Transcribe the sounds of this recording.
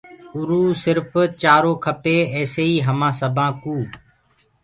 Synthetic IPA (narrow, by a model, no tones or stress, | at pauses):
ʊɾuːsɪɾft͡ʃaːɾoːkʰəpeːɛːseːiːɦəmãːsəbʱãːkuː